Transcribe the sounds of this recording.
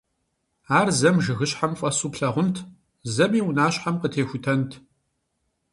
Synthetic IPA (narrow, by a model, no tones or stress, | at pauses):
aːrzɐmʒɨɣɨɕħamfʼɐsuːpɬɐʁʷʊntʰ | zɐmiːwʊnaːɕħamqətʰeːxʷʊtʰɐntʰ